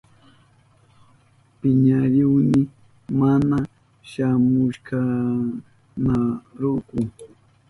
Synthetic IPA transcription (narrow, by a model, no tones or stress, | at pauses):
pɪɲaɾɪwnɪ | mana | ʃamʊʃka | naɾukʊ